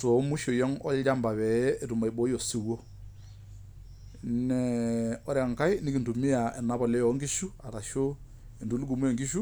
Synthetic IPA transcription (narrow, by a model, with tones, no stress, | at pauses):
tɔ˨˦mu˦ʃo˨jɔ˦ŋɔ̰˦ld͡ʒa˦mba˨βɛ˨ɛː˦˨tu˨ma˨i˨bɔ˨˦jɔ˨si˨wo˦ | nɛ˨ɔ˦ɾɛ˨ŋka˦i˦ni˦ki˨ndu˨mi˦a˨ɛ˨na˨˦bɔ˨lɛ˦jɔ˨˦ŋɡi˦ʃu˦a˨ɾa˨ʃo˦ | e˨ndu˨˦lu˦ɡu˨mu˦ɔ˨ŋɡi˦ʃu˦